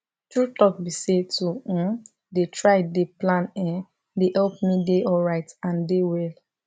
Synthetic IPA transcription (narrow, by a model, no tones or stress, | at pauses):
tɹutɔk̚bisetũ | detʰɹaɪdeplãnɛ̃ | dehɛlp̚mideʔɔlɹaɪtãndewɛl